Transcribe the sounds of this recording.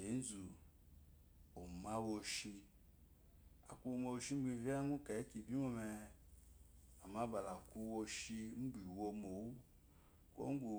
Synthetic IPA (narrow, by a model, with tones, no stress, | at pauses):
e˨˦n̩˦zu˨ | o˨ma˦wo˧ʃi˧ | a̰˨ku˦o˨mo˨˧wo˨ʃi˦ŋ͡m̩˦ɡ͡bi˦˧˨vi˦a˦ŋu˦ka˨e˦ki˨bi˦mo˦me˧ | a˨ma˦ba˨la˨ku˧˦wo˧ʃi˧˦m̩˦ɡ͡bʷi˨wo˧mo˨wu˦ | ko̰˦ŋ̩˦ɡu˨